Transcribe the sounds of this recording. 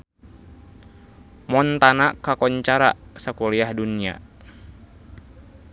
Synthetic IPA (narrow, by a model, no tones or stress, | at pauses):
mɔnt̪anakakɔɲt͡ʃaɾa̰sakɔliahdunia̰